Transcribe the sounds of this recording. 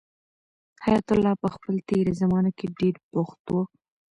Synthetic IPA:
hajat̪ʊlːɑpəxpəlt̪eɾazamɑnakeɖeɾpoxt̪o

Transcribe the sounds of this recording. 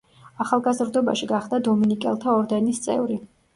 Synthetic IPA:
aχalˠɡazɾd̪ɔba̰ʃiɡaχd̪ad̪ɔminikʼɛ̰lˠt̪ʰaɔɾd̪ɛnist̪sʼɛ̰vɾi

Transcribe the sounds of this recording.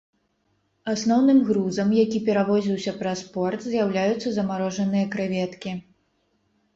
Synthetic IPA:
asnɔwnɨmɣɾuzɐmjakʲipʲɛɾavɔzʲiwsʲɐpɾɐspɔrt̪zʲjawlʲajut̪sːɐzɐmaɾɔʐɐnɨjɐkɾɨvʲɛt̪kʲi

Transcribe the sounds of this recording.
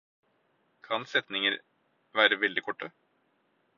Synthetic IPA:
kʰɑnsɛt̪nɪŋəɾ | ʋæːɾəʋɛld̪ɪkʰɔʈːə

